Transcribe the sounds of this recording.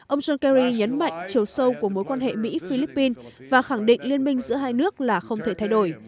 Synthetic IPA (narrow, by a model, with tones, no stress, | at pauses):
ʔə˧wŋ͡mzɔ˧nkɛ˧ɾi˧ɲə˨˦nma̰˧˨jŋ̟t͡ɕi˨˩əwsə˧wku˧˩əmo˨˦jkwaː˧nhḛ˧˨mḭ˧˥fi˧li˦˥pːi˧n | vaː˨˩xa˧˩ŋɗḭ˧˨ŋ̟li˧ənmï˧ŋ̟zɨ̰˧˥əɦaː˧jnɨ˦˥ək̚laː˨˩xə˧wŋ͡mt̪ʰe˧˩t̪ʰa˧jɗo˧˩j